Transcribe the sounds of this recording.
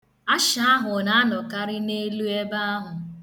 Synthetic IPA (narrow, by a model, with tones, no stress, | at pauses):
a˦ʃa˨a˦ɦʊ˨na˦a˦nɔ˨ka˦ɾɪ˦ne˦lu˦e˦ba˦a˦ɦʊ˨